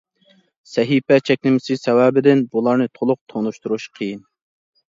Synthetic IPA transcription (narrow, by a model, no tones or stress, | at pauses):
sɛɦipɛt͡ʃʰɛkʲlɪmɪsɪsɛwɛbɪd̪ɪnbulˠɑɾnɨt̪ʰolˠʊq̚t̪ʰonuʃt̪uɾuʃqʰəjin